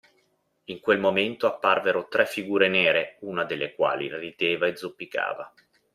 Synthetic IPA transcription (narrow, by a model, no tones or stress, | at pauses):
iŋkwelmoment̪oapːarveɾot̪ɾɛfːiɡuːɾenɛːɾeuːnad̪elːekwa̰ːlḭrid̪eːvaed̪zːupːika̰ːva